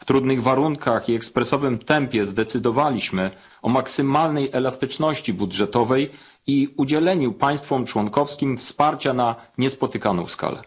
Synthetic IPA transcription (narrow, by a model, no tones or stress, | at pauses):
ft̪ɾud̪nɘɣvaɾuŋkaxiɛkspɾɛsɔvɘmt̪ɛmpʲjɛzd̪ɛt̪sɘd̪ɔvalʲiɕmɘ | ɔmaksɘmalnɛjʔɛlast̪ɘt͡ʂnɔɕt͡ɕibudʐɛt̪ɔvɛj | iud͡ʑɛlɛɲupaj̃st̪fɔmt͡ʂwɔnkɔfskʲimfspaɾt͡ɕanaɲɛspɔt̪ɘkanɔ̰̃w̃ska̰lɛ̰